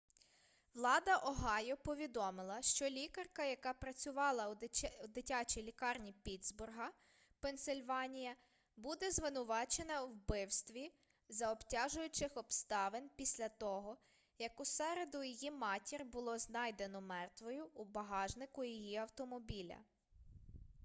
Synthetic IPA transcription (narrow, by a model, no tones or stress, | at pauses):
ʋlˠɑd̪ɐʔɔɦɑjɔpɔʋʲid̪ɔmɪlˠɐʃt͡ʃɔlʲikɐrkɐjɐkɑpɾɐt͡sʲʊʋɑlˠɐd̪ɪtʲɑt͡ʃilʲikɑrnʲipʲid̪zbʊrɦɐ | pensɪlʲʋɑnʲijɐ | bud̪ɛzʋɪnʊʋɑt͡ʃenɐwbɪwst̪ʋʲi | zɐɔptʲaʒʊjʊt͡ʃɪxɔbst̪ɑʋenpʲisʲlʲɐt̪ɔɦɔ | jɐkʊsɛɾed̪ʊjijimɑtʲirbʊlˠɔznɑjd̪e̞nɔmɛrt̪ʋɔjʊːbɐɦɑʒnɪkʊjijiɐwt̪ɔmɔbʲilʲɐ̰